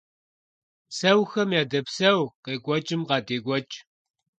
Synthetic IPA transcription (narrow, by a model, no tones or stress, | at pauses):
sɐwxɐmjaːdɐpsɐwqeːɡʷɔt͡ʃʼɨmqɑːdeːɡʷɔt͡ʃʼ